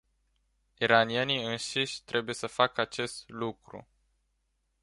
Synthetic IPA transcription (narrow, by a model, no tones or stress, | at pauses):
iɾanieniɨnʃiʃʲt̪ɾʔe̞buje̞səfakəat͡ʃe̞st̪lukɾṵ